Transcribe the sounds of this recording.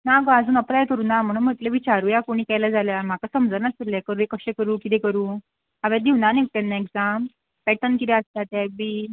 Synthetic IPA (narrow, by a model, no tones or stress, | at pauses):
nakad͡zuːnəplajkəɾuːnam̤əɽunm̤əʈ̪leʋit͡ɕaɾuːjakuɽ̃iːkajlad͡zaljam̤akasəmd͡zəɾnasiɾlekəɾuːekəɕẽkəɾuːkit̪ekəɾuː | aʋad̪iʋnanepɛnːaeɡd͡zam | pɛʈənkit̪ɛəst̪at̪jabiː